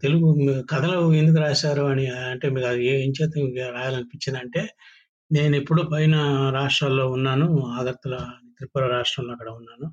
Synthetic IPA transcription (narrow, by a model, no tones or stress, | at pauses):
t̪e̞luɡukɐt̪ʰɐluend̪uk̬ɾaːsaːɾuɐniɐɳʈe̞ːmiːɾɐd̪ieeːɲt͡ʃɛːt̪ɐɾaːjaːlɐnipiɲt͡ʃːind̪ɐɳʈe̞ː | ne̞ːnepːuɽupɐjnɐɾaːʂʈɾaːlːo̞ːunːaːnuaːd̪ɐɾt̪ɐlɐt̪ɾipːuɾɐɾaːʂʈɾɐmloːɐkːɐɽɐunːaːnu